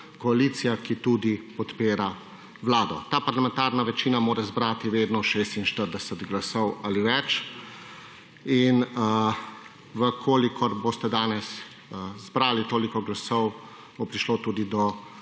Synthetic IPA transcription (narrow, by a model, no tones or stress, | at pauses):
kɔaliːt̪sijakit̪ud̪ipɔt̪peːɾa | ʋlaːd̪ɔ̰t̪aːpaɾlamɛnt̪aːɾnaʋɛt͡ʃiːnamoːɾɛzbɾat̪iʋeːd̪nɔʃeːst̪inʃt̪əɾd̪ɛsɛt̪ɡlasɔwaliʋɛt͡ʃ | in | ʋəkʰoːlikʰɔɾbost̪ɛd̪aːnɛs | zbɾaːlit̪oːlikɔɡlasɔw | bopɾiʃloːt̪uːd̪id̪ɔ